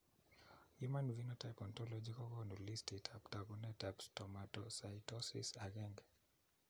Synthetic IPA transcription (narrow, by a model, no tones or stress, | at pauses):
humanvinɔtajpɔntɔlɔd͡ʒikɔɡɔnulistitʰaptaɡɔnɛtapstɔmatɔsajtɔsḭsaɡɛŋɡ